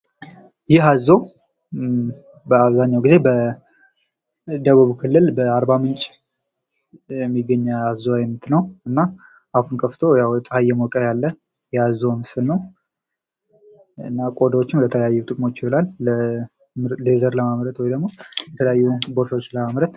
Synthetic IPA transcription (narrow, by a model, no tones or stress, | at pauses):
jɪɦazːo | bəaβzaɲːawɡize̞bə | d̪əβuβkʰɨlːɨlbəaɾbamɨnt͡ʃʼ | jɛmːiɡːəɲːaazːoajnət̪nəwɨnːa | ʔafunkʰəft̪ʰojawt͡sʼhajːɛmokʼəjalːə | jɛhazːo̞mɨsɨlnəw | ɨ̰nːakʼod̪wot͡ʃːɪmlət̪ʰələjajːut̪ʼɨkʼmo̞t͡ʃːɪɔlalə | ləzəɾləmamɾət̪wɔjd̪əɡmo̞jɛt̪ʰələjajːuboɾt̪aot͡ʃːləmamɾət̪